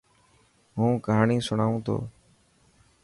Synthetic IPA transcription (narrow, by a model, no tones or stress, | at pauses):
ɦũːkəɦaːɳiːsʊɳaːũːt̪ʰo̰ː